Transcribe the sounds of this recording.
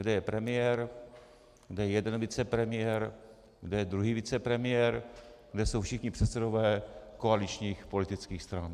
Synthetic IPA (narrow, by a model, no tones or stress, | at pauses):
ɡdɛjɛpɾɛmɪjɛɾ | ɡdɛjɛjɛdɛnvɪt͡sɛpɾɛmɪjɛɾ | ɡdɛjɛd̪ɾuɦiːvɪt͡sɛpɾɛmɪjɛɾɡ̥dɛso̞wfʃɪxɲɪpr̝̥ɛt̪sɛdo̞vɛːkoalɪt͡ʃɲiːxpo̞lɪt̪ɪt͡skiːxst̪ɾan